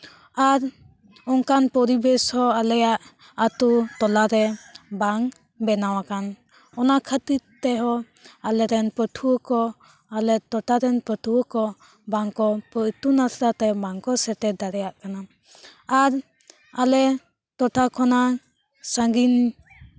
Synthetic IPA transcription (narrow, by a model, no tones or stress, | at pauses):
aɾ | ɔŋkanpɔɾibɛshɔalɛjaʔ | at̪ut̪ɔlaɾɛbaŋ | bɛnawakan | ɔnakʰət̪it̪ɛɦɔ | alɛɾɛnpətʰuwəkɔ | alɛt̪ɔʈʰaɾɛnpət̪ʰuəkɔ | baŋkɔpəʔt̪unasɾat̪ɛbaŋkɔsɛʈ̪ɛd̪aɾɛjaʔkana | aɾ | alɛ | t̪ɔʈʰakʰɔna | saŋɡin